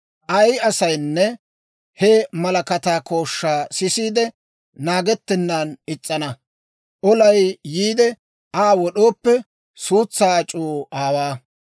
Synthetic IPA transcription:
ʔɐjɐsɐjnːɛ | hɛmɐlɐkɐt̪aːko̞ːʃːaːsɪsiːd̪ɛ | naːɡɛt̪ːɪnːaːnɪt͡sʼːɐnɐ | ʔɔlɐjːiːd̪ɛ | ʔaːwɔɗoːpːɛ | suːt͡sːaːt͡ʃʼuːʔaːwaː

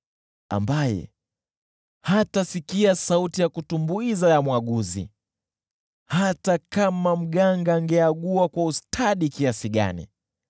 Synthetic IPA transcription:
a̰mbajɛ̰ | hatasikiasautijakutumbuizajamwaɠuzḭ | hatakamam̩ɠaŋɡaŋɡɛaɠuakwaustʰaɗikiasiɠa̰nḭ

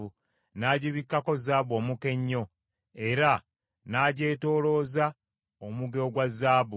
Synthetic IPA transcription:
u | naɟiβikːako̞zaːβo̞ːmuke̞ɲːo̞ | e̞ɾa | naːɟe̞ːto̞ːlo̞ːza | omuɡeoɡwazaːβu

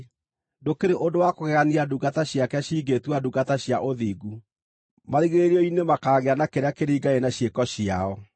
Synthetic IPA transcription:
dokeɾeʔodowakoɣɛɣaniaduɡataɕjakɛɕiːɡetwaduɡataɕjaʔoðiːɡu | maɾiɣeeɾiɔinemakaːɣeanakeɾeakeɾiɡaenaɕjekɔɕiaɔ

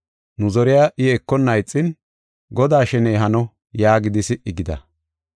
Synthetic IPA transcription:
nʊzɔɾɪjaːʔɪɛkːɔnːɐjt͡sʼːɪn | ɡɔd̪aːʃɛneːɦɐnɔ | jaːɡɪd̪ɪsɪʔɪɡɪd̪ɐ̰

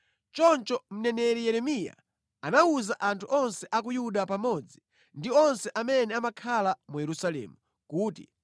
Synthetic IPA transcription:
t͡ʃɔnt͡ʃɔm̩nɛnɛɾijɛɾɛmija̰ | anauzaʔantʰuʔɔnsɛʔak̬ujuɗapamɔd͡zi | ndiɔnsɛʔamɛnɛamakʰalamujɛɾusalɛ̰ːmu | kuːtḭ

